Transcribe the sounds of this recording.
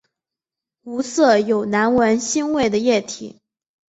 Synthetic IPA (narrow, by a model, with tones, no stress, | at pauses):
u˧˥sɤ˥˩jo˨˩ʊna˧˥nwə˧˥nɕi˥nwe˥˩ɪd̪ə˩jɛ˥˩t̪ʰḭ˨˩˦